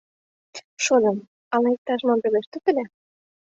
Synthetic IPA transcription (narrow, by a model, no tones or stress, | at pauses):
ʃod̪ɤ̆m | ɑlɑek̚t̪ɑʃmɑmpeleʃt̪øt̪ɘ̆lʲæ